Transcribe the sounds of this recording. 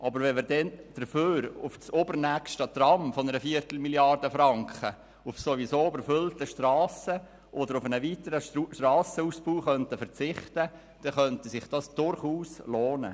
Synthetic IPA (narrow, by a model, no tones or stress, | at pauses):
ʔɑbəɾʋɛnmɪɾdɛnd̥əɾføːɾʊft͡sobəɾnækʃtət̪rɑmfɔnəɾəfiəɾt̪l̩miljɑrdəfɾɑŋkχə | ʊfsoʋisoːybəɾfʏltəʃtrɑːsə | ʔɔd̪əɾʊfənəʋiːtəɾəʃtɾɑːsəuːsbuːχœntəfəɾt͡sɪχtə | d̥ɛχœntəsɪχd̥ɑsd̥ʊɾχuːsloːnə̰